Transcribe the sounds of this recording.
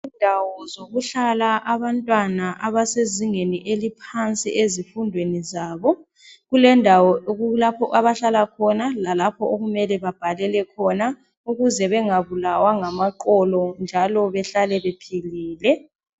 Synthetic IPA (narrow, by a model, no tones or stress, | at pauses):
indʱawɔzoɣuɬalaʔaβantʼwanaʔaβaseziŋeniʔelipʰant͡sʼḭʔezifundʱwenizaːβɔ | ɣulɛndʱawɔulapʰɔʔaβaɬalakʰɔnalalapʰɔʔoɣumɛlɛβab̥ʱalɛlɛkʰɔna | uɣuzɛβɛŋaβulawaŋamaǃɔlɔnd͡ʒʱalɔβɛɬalɛβepʰiliːlɛ